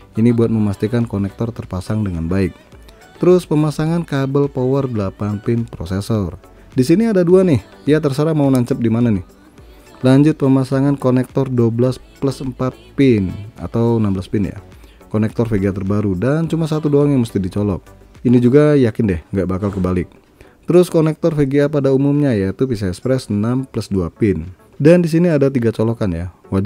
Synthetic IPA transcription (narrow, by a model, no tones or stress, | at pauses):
inibuat̪̚məmast̪ikankɔnɛk̚t̪ɔrt̪ərpasaŋdəŋanbaɪk̚ | t̪əɾʊspəmasaŋankabəlpɔwərdəlapanpɪnpɾɔsesɔr | disiniadaduanɪh | jat̪ərsəɾamaunaɲt͡ʃəp̚dimananɪh | laɲd͡ʒʊt̪̚pəmasaŋankɔnɛk̚t̪ɔrduoblaspləsəmpat̪̚pɪna̰t̪awnambəlaspɪnja̰ | konɛk̚t̪ɔrfeɡiat̪ərbaɾudant͡ʃumasat̪udoaŋjaŋməst̪ɪdit͡ʃɔlɔ̰k̚ | inid͡ʒuɡajakɪndɛhŋɡaʔbakalkəbalɪk̚ | t̪əɾʊskɔnɛk̚t̪ɔrfeɡiapadaumumɲajait̪upis̬aɛkspɾɛsnampləsduapɪn | dandis̬iniadat̪̬iɡat͡ʃɔlɔkanja̰wad͡ʒ